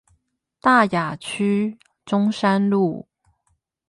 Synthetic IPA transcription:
t̪a˥˩ja˨˩t͡ɕʰy˥ | ʈ͡ʂʊ˥ŋʂa˥nlu˥˩

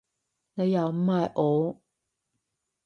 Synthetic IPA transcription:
ne˨˧ja˨˩m̩˦ma˨˩ʔo˨˦

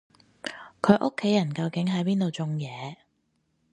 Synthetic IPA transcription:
kʰɵ˨˧ɥʔʊ˥kʰːe˨˥jɐ˨˩nkɐ˧wkɪ˨˥ŋɦɐ˨˥jpiː˥nt̪o˨wt͡sʊ˧ŋjɛː˨˧

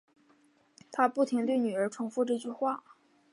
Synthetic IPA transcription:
t̪ʰa˥pu˥˩t̪ʰi˧˥ŋt̪we˥˩ɪny˨˩ə˞˧˥ʈ͡ʂʰʊ˧˥ŋfu˥˧ʈ͡ʂɤ˥˧t͡ɕy˥˧xwa˥˩

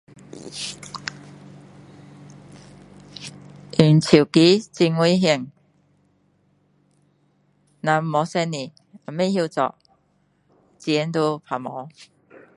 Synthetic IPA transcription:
ʔi˨˩nt͡ɕʰi˨˩ki˨˦t͡si˧ŋwi˧˦ɦi˧˩˨ŋ | nã˨˧˦mmɔ˨˧˦sɛ˧ni˨ | a˨˩mẽ˥˧hji˧t͡sɔ̰˨ʔ | t͡si˧ɛ˧˦nt̪o˧pʰa˨˩mɔ˨˦

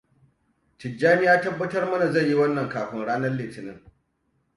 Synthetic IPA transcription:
tɪ˨d͡ʒːaː˦mi˦jaː˦tɐ˦bːɐ˦tɐ˦rmɐ˦na˨zɐ˦˨jːi˦wɐ˦nːɐ˨ŋkaː˨ɸɪ˦ŋɽaː˦nɐ˦rleː˨tɪ˨nɪ˦ŋ

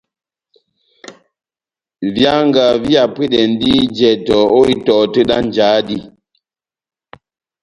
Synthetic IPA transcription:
vja˦ŋɡa˨vi˦a˨pi˦ɗɛ˨n˦di˦d͡ʒɛ˨tɔ˨o˦i˦tɔ˨tə˦ɗa˦n˨d͡ʒa˨˦di˦

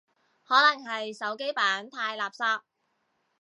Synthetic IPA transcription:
hɔː˨˥lɐ˨˩ŋɦɐ˨jsɐ˨˥wke˥jpaː˨˥nt̪ʰaː˧jlaː˨p̚saː˧p̚

